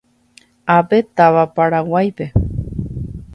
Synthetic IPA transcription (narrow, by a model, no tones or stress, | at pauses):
apet̪aβapaɾawajpe̞